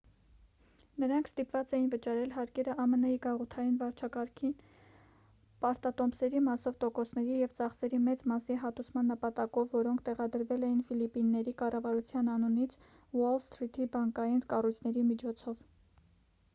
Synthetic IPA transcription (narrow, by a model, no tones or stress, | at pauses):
nəɾɑŋkʰst̪ipvɑt͡sɛjinvət͡ʃɑɾɛlɦɑɾkɛɾəʔɑmənɑjiɡɑʁut̪ʰɑjinvɑɾt͡ʃʰɑkɑɾkʰin | pɑɾt̪ɑt̪ɔmbsɛɾimɑsɔvt̪ɔkɔsnɛɾijɛvt͡sɑχsɛɾimɛt͡smɑsiɦɑt̪usmɑnːəpɑt̪ɑkɔvːɔɾɔŋkʰt̪ɛʁɑd̪əɾvɛlɛjinfilipinːɛɾikɑrɑvɑɾut͡sʰjɑnɑnunit͡sʰ | wɔlst̪ɾit̪ʰibɑŋkɑjinkɑrujt͡sʰnɛɾimit͡ʃʰɔt͡sʰɔv